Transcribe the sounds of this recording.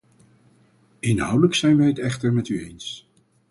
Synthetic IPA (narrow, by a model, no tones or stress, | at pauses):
ɪnɦʌ̰wdələksɛjnʋɛjətɛχtəɹmɛtyejns